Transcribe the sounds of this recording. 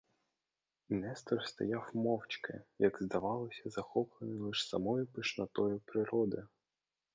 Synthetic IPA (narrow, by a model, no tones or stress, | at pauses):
nɛst̪rst̪ɐ̰jɑwmɔwt͡ʃkɪ̰jɐɡzd̪ɐʋɑlˠɔsʲɐzɐxɔplˠenɪlˠɪʃsɐ̰mɔjʊpɪʃnɐt̪ɔjʊpɾɪɾɔd̪ɪ